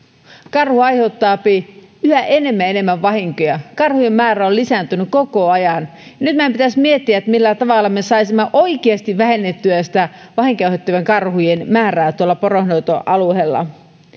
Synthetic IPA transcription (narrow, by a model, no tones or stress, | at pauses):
kɑrhuɑjhe̞ut̪ːɑːpi | yhæʔe̞ne̞mːæene̞mːæʋːɑhiŋkojɑkɑrhujemːæːɾæollisænt̪ynykkokoɑjɑnjɑnyt̪mæmpit̪æsmiet̪ːiæet̪ːmilːæt̪ɑʋɑlːɑme̞sɑisimːeʔo̞ikeɑst̪iʋʋæhe̞nːet̪ːyæsi̥t̪æʋɑhiŋkɑyhet̪ːyʋeŋkɑrhujenmæːræːt̪uolːɑporohnowt̪oʔɑluhelːɑ̰